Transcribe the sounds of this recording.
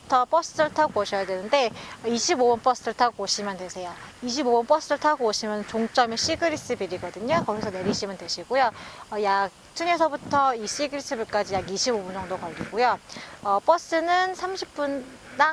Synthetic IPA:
tʰʌp͈ʌs͈ɯɯɭtʰaɡooɕʰʌjadwe̞nɯnde̞ʌiɕʰibobʌnpʌs͈ɯɯɭtʰaɡooɕʰimjʌntwe̞sʰe̞joiɕ̬ʰibobʌnp͈ʌs͈ɯɯɭtʰaɡooɕʰimjʌnnt͡ɕoŋt͡ɕ͈ʌmeɕ͈iɡɯɾis͈ɯbiɾiɡʌdɯɲokʌɡisʰʌne̞ɾiɕʰimjʌndwe̞ɕʰiɡojoʌjak̚t͡ɕʰuɲesʰʌbutʰʌiɕ͈iɡɯɾis͈ɯbiɭk͈ad͡ʑijaɡiɕʰibobund͡ʑʌŋdokʌʎːiɡojoʌp͈ʌs͈ɯnɯnsʰamɕʰip̚p͈un | da

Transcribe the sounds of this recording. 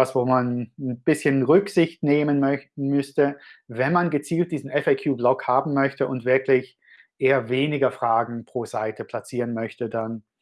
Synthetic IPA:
asv̥oːmannb̥ɪsçənʁʏkz̥ɪçtneːmənœmʏstəvɛnmanɡət͡siːlt̚d̥iːzn̩ɛfaɪkʰjuːblɔkhaːbm̩mœçtəʔʊntv̥ɪɐklɪç | ʔeːɐveːnɪɡɐfʁ̥aːɡŋ̩pʁ̥oːzaɪtʰəpʰl̥at͡siːʁənmœçtədan

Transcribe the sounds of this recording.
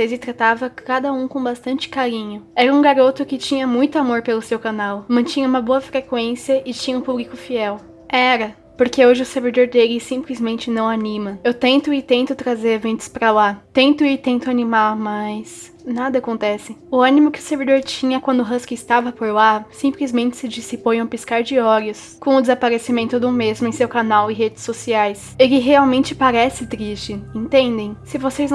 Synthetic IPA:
sezɪt̪ɾat̪avɐkad̪ɐũkõbast̪ɐ̃nt͡ʃɪ̥kaɾĩɲʊɛɾɐũɡaɾot̪ʊkɪt͡ʃĩɲɐmũj̃t̪ʊamoɾpelʊsewkanawmɐ̃t͡ʃĩɲɐũmɐboɐfɾekwẽsiɐʔɪt͡ʃĩɲɐũpublikʊfiɛw | ɛɾɐ | poɾkeoʒɪʊseɾvid̪oɾd̪elɪsĩmplizmẽnt͡ʃɪnɐ̃w̃anĩmɐewt̪ẽnt̪ʊɪt̪ẽnt̪ʊt̪ɾazeɾevẽnt̪ʊ̥spɾalat̪ẽnt̪ʊɪt̪ẽnt̪ʊanimamajs | nad̪ɐːkõnt̪ɛsɪʊɐ̃nimʊkɪʊ̥seɾvid̪oɾt͡ʃĩɲɐkwɐ̃nd̪ʊɦɐ̃skɪɪst̪avɐpoɾlasĩmplizmẽnt͡ʃɪ̥sɪd͡ʒisipõjɐ̃piskaɾd͡ʒɪɔɾʊs | kõʊd̪ɪzapaɾesɪmẽnt̪ʊd̪ʊmezmʊẽsewkanawɪɦed͡ʒɪsosiajs | elɪɦeawmẽnt͡ʃɪpaɾɛsɪt̪ɾist͡ʃɪẽnt̪ẽnd̪ẽj̃sɪvosejz

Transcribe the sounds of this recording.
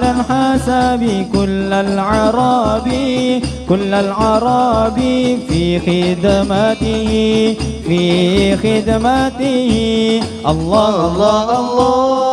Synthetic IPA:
lalħasabɪkʊlːalʕɑɾˤɑbikʊlːalʕɑɾˤɑbifiːxɪd̪mat̪ɪhɪfiːxɪd̪mat̪ɪhɪʔɑlˤː

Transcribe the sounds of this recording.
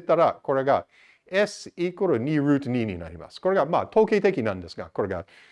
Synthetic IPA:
t̪ːaɾako̞ɾe̞ɡa | esikoɾonʲiːɾʉːt̪nʲiːɲʲina̰ɾʲima̰sɨ̥ko̞ɾe̞ɡama̰ːt̪ʰo̞ːket̪e̞kʲinãnd̪e̞sɨɡa̰ko̞ɾe̞ɡa̰

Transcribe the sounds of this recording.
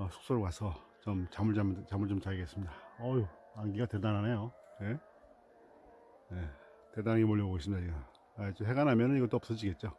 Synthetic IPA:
ʌsʰu̥k̚s͈oɾokasʰʌt͡ɕomt͡ɕamuɭat͡ɕamuɭt͡ɕomt͡ɕaɭiɡe̞s͈ɯmɲidaʌjo | aŋɡiɡatedananajoje̞ | je | tedaŋimoʎːʌboɡes͈ɯmɲidat͡ɕiɡɯm | at͡ɕoɦe̞ɡanɦamjʌnɯniɡʌt͈oʌps͈ʌd͡ʑiɡe̞t̚t͡ɕ͈o

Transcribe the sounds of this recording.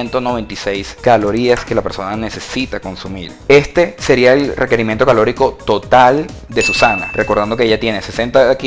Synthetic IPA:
ent̪ono̞βẽ̞nt̪ise̞jskalo̞ɾiaske̞lape̞ɾso̞nane̞se̞sit̪ako̞nsumḭɾe̞st̪e̞se̞ɾiaelreke̞ɾimjent̪o̞kalo̞ɾiko̞t̪o̞t̪al | d̪e̞susana̰rʔe̞koɾðand̪o̞keeʝat̪je̞nese̞se̞nt̪aki

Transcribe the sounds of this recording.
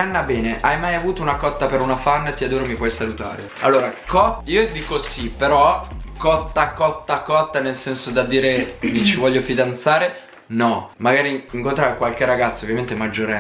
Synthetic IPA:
anːabɛːneʔajmajavuːt̪ounakɔt̪ːapeɾunafanːt̪iad̪oːɾomipwɔjsalut̪a̰ːɾe | a̰lːoːɾakɔtiːod̪iːkosipeɾɔkɔt̪ːakɔt̪ːakɔt̪ːanelsɛnsod̪ad̪iːɾemit͡ʃivɔʎːofid̪ant̪saːɾe | nɔmaɡaːɾiiŋkont̪ɾaːɾekwalkeraɡat̪sːaovːjament̪emad͡ʒːoɾ

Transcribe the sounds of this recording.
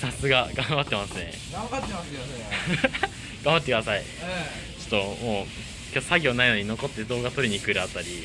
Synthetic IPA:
sasɨɡaɡãmbat̪ːe̞masɨne̞̰ | at̪ːa | ɡ̥ãmbat̪ːekd̪asai | t͡ɕo̥t̪ːo̞mo̞ː | kʲotːosaɡʲo̞ːnaino̞ɲ̟ino̞ko̞t̪ːe̞d̪o̞ːɡat̪o̞ɾʲiɲ̟ikɯ̟ɾɯ̟at̪ːaɾʲi

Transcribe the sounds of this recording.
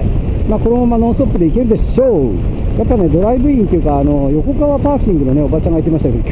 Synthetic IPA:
maːko̞ɾeomanõ̞sɨt̪o̞pːɯ̟d̪e̞ikeɾɯ̟d̪e̞ɕo̞ | japːaned̪o̞ɾaibɯ̟ĩnt̪ojɯ̟kaːno̞jo̞ko̞kaβapaːkʲĩŋɡɯno̞ne̞o̞bat͡ɕãŋɡait̪̬ːemaɕit̪aked̪okʲ

